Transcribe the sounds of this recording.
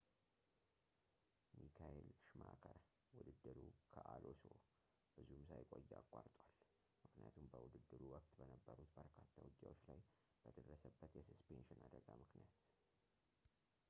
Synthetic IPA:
mikʰaʔelʃmakʰəɾ | wʊd̪ɨd̪ːɨɾukʰəʔalʔoso | b̥ɨzumsajkʼojːakʼːaɾt̪ʼwal | mɨknija̰t̪ʰumbəwʊd̪ɨd̪ːɨɾuwɔkt̪ʼbənəbːəɾut̪ːəɾkʰat̪ʰːawɨɡːawot͡ʃːlaj | b̥əd̪ərːəsəbːət̪jɛsɨspʰenʃɪnad̪əɡamɨknijat̪

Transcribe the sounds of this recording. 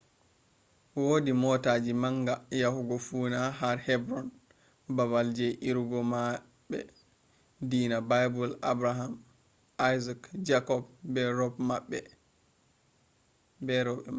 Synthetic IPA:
wodimɔtaːd͡ʒimaŋɡajahuɡɔfunaɦaɾhɛbɾɔn | babald͡ʒɛʔiɾɡɔma | ɓɛ̰ | diːnabajbulabɾaɦam | ʔajzakd͡ʒakɔbbɛɾɔbmaɓːɛ | bɛɾɔbɛa

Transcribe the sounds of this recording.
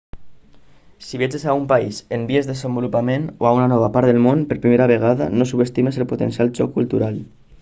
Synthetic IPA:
siβiet͡ʃesaumpaisembiezðezembulupamenoaunanɔβ̞apaɾt̪ðelmonpeɾpɾimeɾaβeɣ̞aða̰nosuβest̪imeselpot̪ensiald͡ʒɔ̰kːult̪uɾal

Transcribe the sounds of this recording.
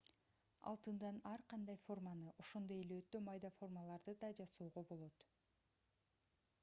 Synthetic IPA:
ɑ̰lˠt̪ɯnd̪ɑnɑɾqɑnd̪ɑjfo̞rmanɯʔo̞ʃo̞nd̪o̞je̞leøt̪ːømɑjd̪ɑfo̞rmalˠɑɾd̪ɯd̪ɑd͡ʒɑsoːʁo̞bo̞lˠo̞t̪

